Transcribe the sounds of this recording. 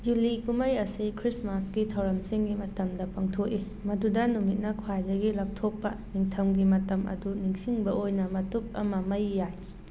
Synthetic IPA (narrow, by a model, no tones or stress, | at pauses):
julikumɐjɐsikʰɾismasɡitʰɐwɾɐmsiŋɡimɐtɐmdɐpɐŋtʰoki | mɐdudɐnumit̚nɐkʰwajdɐɡilɐp̚tʰopːɐniŋtʰɐmɡimɐtɐmɐ̰duniŋsiŋbɐʔojnɐmɐtup̚ɐ̰mɐmɐjːaj